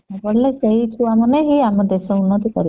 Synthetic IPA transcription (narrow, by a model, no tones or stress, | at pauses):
abɔɽleseɦitʰuwamaneɦiamɔd̪esɔunːɔt̪ɔkɔɾi